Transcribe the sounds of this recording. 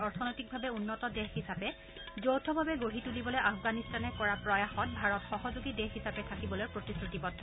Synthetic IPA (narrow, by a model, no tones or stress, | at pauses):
ɔɹtʰɔnɔjtik̚bʱabɛunːɔtɔdexhisapɛ | zowtʰɔbʱabɛɡoɦitulibɔlojʔafɡanistanɛkɔɹapɹɔjaxɔn̚bʱaɹɔtxɔɦɔzuɡidɛxhisapɛtʰakibɔlojpɹotisɹutipɔdʰʱːɔ